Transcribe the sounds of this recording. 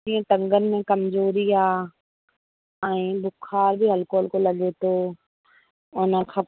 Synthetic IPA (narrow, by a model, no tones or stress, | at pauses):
iə̃t̪ɐ̃ŋɡənmẽkɐmzoːɾiaː | ɛ̃ĩːbʊkʰaːɾbʱiɦɐlkoːlkolɐɠet̪oː | ʊnə̃xʰɐ